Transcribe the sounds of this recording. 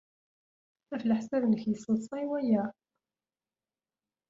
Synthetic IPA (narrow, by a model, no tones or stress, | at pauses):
æflħsæðnəçjəsˤːəsˤɑwæjæ